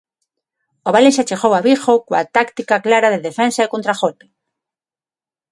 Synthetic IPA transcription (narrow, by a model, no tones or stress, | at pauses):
oβalenʃat͡ʃexowaβixokoat̪akt̪ikaklaɾaðeðefensaekont̪ɾaxote̥